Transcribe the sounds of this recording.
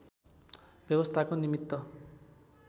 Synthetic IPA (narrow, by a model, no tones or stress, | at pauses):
b̥jʌbʌst̪ʰakonimit̪ːʌ